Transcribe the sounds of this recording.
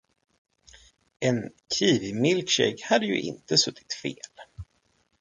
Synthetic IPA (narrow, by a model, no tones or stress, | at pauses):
ʔɛnkʰiːvɪmɪlkɕɛ̰jkhad̪ːəjɵ̰ʔɪ̰nt̪əsɵt̪ʰːɪ̥t̪feːl